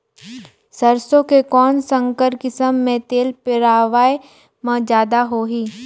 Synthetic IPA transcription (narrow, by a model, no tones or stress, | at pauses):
səɾsõkekɔːnsə̃ŋkəɾkɪsəmːẽt̪eːlpɪɾaːʋaːe | mɐ̃d͡ʒjaːd̪aɦoːɦiː